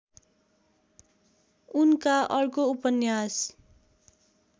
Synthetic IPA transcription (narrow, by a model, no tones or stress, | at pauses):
unkaʔʌrkoupʌnjas